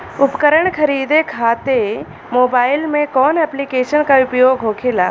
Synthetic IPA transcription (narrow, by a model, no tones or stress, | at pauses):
ʊpkəɾəɳkʰɐɾiːd̪ekʰaːt̪e | moːbaːɪlmẽkɔːnɛːplikeːʃənkaʊpjoːɡɦoːkʰeːla̰ː